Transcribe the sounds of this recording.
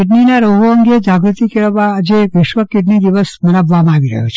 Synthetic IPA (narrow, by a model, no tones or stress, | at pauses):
ɪʈ̬ninaɾoɦoəŋɡed͡ʒaɡɾut̪ikeɾʋad͡ʒeʋɪʃʋəkːɪʈnid̪iʋəsməɾabʋamãaʋiɾə̰ɦo̰t͡ʃʰ